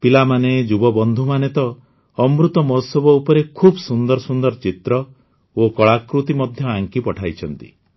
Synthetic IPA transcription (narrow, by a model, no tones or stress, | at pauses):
pilamaned͡ʒubɔbɔnd̪ʱumanet̪ɔ | ɔmɾut̪ɔmɔsɔbɔupɔɾekʰubsund̪ɔɾɔsund̪ɔɾt͡ʃit̪ɾɔ | okɔɭakɾut̪imɔd̪ʱjɔaŋkipɔʈʰajt͡ʃʰɔnt̪ḭ